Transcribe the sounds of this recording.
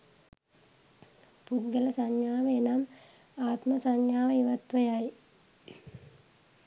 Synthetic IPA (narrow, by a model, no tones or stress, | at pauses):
put̪ɡələsaɲjaːʋəenam | aːt̪məsaɲjaːʋəiʋat̪ʋəjaj